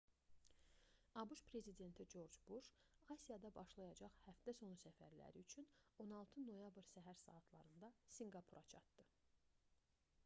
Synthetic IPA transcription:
ɑbuʃpʰɾe̞zid̪e̞nt̪ʰid͡ʒo̞ɾd͡ʒbuʃ | ɑsijɑd̪ɑbɑʃlˠɑjɑd͡ʒɑχhæfd̪æso̞nsæfæ̰ɾlæ̰ɾiyt͡ʃʰyno̞nɑlˠt̪ʰɯno̞jɑbɾsæɦæɾsɑ̰ːt̪ʰlˠɑ̰ɾɯnd̪ɑsiŋɡɑpʰuɾʔɑt͡ʃʰɑ̰t̪d̪ɯ

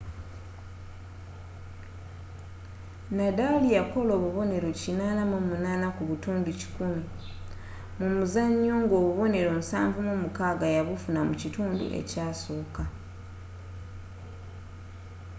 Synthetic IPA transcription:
nadalijako̞lo̞ːβuβo̞ne̞ɾo̞cinaːnamumunaːnakuβutuːnduci̥kumi | mumuzaɲːoŋɡo̞ːβuβo̞ne̞ɾo̞musa̰ːɱvumumukaːɡajaβufunamucituːndṵʔe̞̰caːsoːka

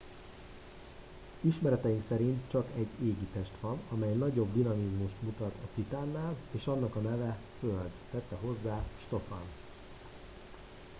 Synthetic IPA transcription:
iʃmɛɾɛt̪ɛjiŋksɛɾint̪t͡ʃɒkɛɟːeːɡit̪ɛʃt̪ʋɒnɒmɛjnɒɟo̞bd̪inɒmizmuʃt̪mut̪ɒt̪ɒt̪it̪aːnːaːleːʃɒnːɒkɒnɛvɛføld̪ːɛt̪ːɛɦo̞zːaːʃt̪o̞fɒ̰n

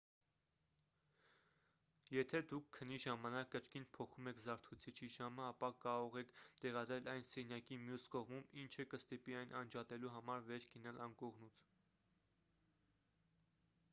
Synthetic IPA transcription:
jɛt̪ʰɛd̪ukʰːəniʒɑmɑnɑkːət͡ʃʰkinpʰɔχumɛkʰzɑɾt̪ʰut͡sʰit͡ʃʰiʒɑməɑpɑkɑɾɔʁɛkʰt̪ɛʁɑd̪ɾɛlʔɑjnsɛnjɑkimjuskɔʁmumint͡ʃʰəkəst̪ipiɑjnʔɑnd͡ʒɑt̪ɛluɦɑmɑɾvɛɾʰɡənɑlɑnkɔʁnut͡sʰ

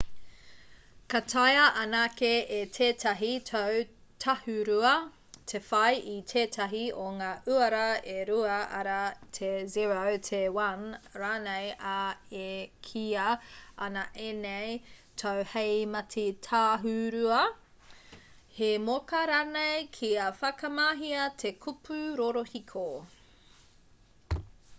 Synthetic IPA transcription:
kɐtʰɐjɐʔɐnakeʔetʰeːtʰɐɦitʰow | tʰɐhuɾuɐ | tʰefɐjʔitʰeːtʰɐɦioŋaːʔʉɐɾɐeɾuɐɐɾɐtʰeziɹowtʰewɐnɾaːnejaekʰiɐɐnɐʔenejtʰowhejmɐtʰitʰaːɦʉɾuɐ | hemokɐɾaːnejkʰiɐfɐkɐmaːɦiɐtʰekʰupʰʉɾoɾohikʰo

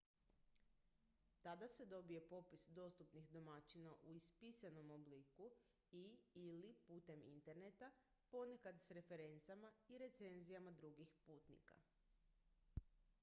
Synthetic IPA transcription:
t̪ad̪ase̞d̪o̞bije̞po̞pisd̪o̞st̪upnixd̪o̞mat͡ʃinaʔuispisano̞mobliku | iilipuːt̪e̞mḭnt̪e̞ɾne̞t̪a | po̞nekad̪sɾe̞fe̞ɾe̞nt̪samaiɾe̞t̪se̞nzijamad̪ɾuɡixpuːt̪nḭka̰

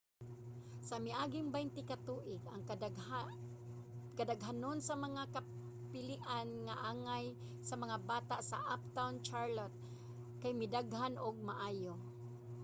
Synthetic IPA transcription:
samɪʔaːɡɪŋbaɪnt̪ɪkat̪uːʔɪɡaŋ | kadaɡɦanonsamaŋaka | pɪlɪʔanŋaʔaːŋaj | samaŋabaːt̪aʔsa̰ʔap̚t̪awnt͡ʃaɹlot̪̚ | kajmɪd̪aɡhanʔʊɡ̚maʔaːjo

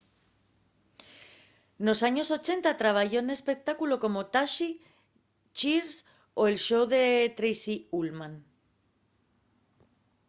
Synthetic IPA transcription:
no̞saɲo̞so̞t͡ʃe̞nt̪at̪ɾaβ̞aʝo̞ene̞spe̞k̚t̪akulo̞ko̞mo̞t̪aʃi | t͡ʃiɾs | o̞e̞lʃo̞wðe̞t̪ɾejsiulmãn

